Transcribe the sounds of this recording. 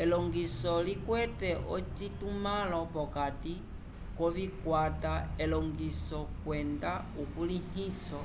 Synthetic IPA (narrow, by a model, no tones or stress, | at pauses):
elɔŋɡisɔlikwɛtɛʔɔt͡ʃitumalɔpɔkati | kɔβikwataelɔŋɡisɔkwɛnda | ukulihisɔ